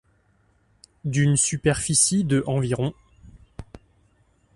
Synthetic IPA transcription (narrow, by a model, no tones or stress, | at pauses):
d̪ynsypɛʁfisid̪əʔɑ̃viʁɔ̃